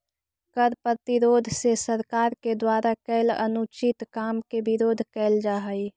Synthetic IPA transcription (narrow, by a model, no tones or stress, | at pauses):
kəɾpɾət̪ɪɾoːd̪ʱsesəɾkaːɾked̪waːɾakɛɪlə̰nut͡ʃɪt̪kaːmkebɪɾoːd̪ʱkɛːld͡ʒaːɦəi